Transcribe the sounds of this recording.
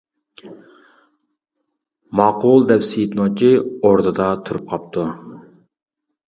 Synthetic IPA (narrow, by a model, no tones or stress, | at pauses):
mɑqulˠd̪ɛpsijt̪not͡ʃʰioɾd̪ɨd̪ɑt̪ʰuɾup̚qʰɑp̚t̪ʰu